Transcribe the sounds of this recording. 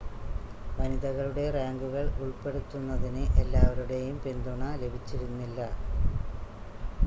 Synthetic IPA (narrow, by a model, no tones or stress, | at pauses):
ʋɐniðɐɣɐɭuɽe̞raːŋɡuɣɐɭuɭpe̞ɽut̪ːunːɐðinɨʔelːaːʋɐɾuɽe̞jumpend̪uɳɐle̞bʱit͡ɕːiɾunːilːɐ